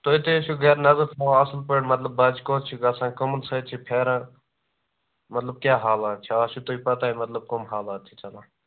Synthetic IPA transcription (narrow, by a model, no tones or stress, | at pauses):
t̪oːɪt̪eʃuɡɐːɾnɐzəɾt̪ʰãɐslpəɽmɐt̪ləbːaːd͡ʒkoːtt͡ʃʰiɡɐsãːkəmnsʰət͡ʃʰipʰeːɾãː | mɐt̪ləb̚kʲjaːɦaːlãːt͡ʃʰiaːʃut̪oːipɐt̪aːɦemɐt̪ləb̚komɦaːlaːt̪̚t͡ʃːʰit͡ʃɐlãː